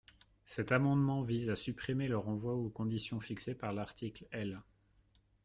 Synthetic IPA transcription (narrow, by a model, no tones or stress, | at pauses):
sɛt̪amɑ̃d̪mɑ̃vizasypχimeləʁɑ̃vwaukɔ̃d̪isjɔ̃fiksepaʁlaʁt̪ʰiklɛl